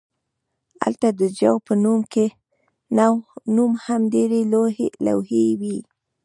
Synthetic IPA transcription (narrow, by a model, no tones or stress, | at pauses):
a̰lt̪ad̪əd͡ʒawpənumke | nawnumhamd̪eɾela̰whewi